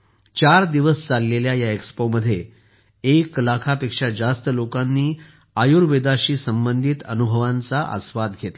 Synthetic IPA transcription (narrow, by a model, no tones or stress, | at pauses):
t͡ɕaɾd̪iʋəst͡salːeljajaekspoməd̪ʱːje | eklakʰapekʂad͡zast̪əlokanːiː | ajuɾʋed̪aɕiːsəmbənd̪ʱit̪ənubʱəʋãnt͡saʔə̰sʋad̪ɡʱet̪a